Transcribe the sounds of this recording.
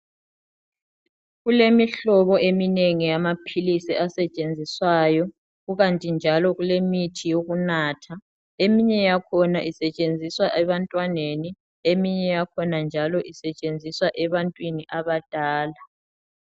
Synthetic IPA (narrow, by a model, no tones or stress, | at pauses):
ɣulemiɬɔβɔʔemineŋijamapʰilisiasɛt͡ʃʼend͡zʱiswajɔ | ɣuɣantʼind͡ʒʱalɔɣulemitʰijoɣunaːtʰa | emiɲɛjakʰɔnaʔisɛt͡ʃʼend͡zʱiswaʔɛβantʼwaneni | emiɲɛjakʰɔnand͡ʒʱalɔʔisɛt͡ʃʼend͡zʱiswaʔɛβantʼwiniʔaβad̥ʱaːla